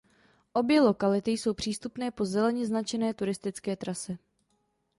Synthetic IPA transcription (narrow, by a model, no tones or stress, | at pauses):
ʔo̞bjɛlo̞kalɪt̪ɪjso̞wpr̝̥iːst̪upnɛːpo̞zɛlɛɲɛznat͡ʃɛnɛːt̪uɾɪst̪ɪt͡skɛːt̪ɾasɛ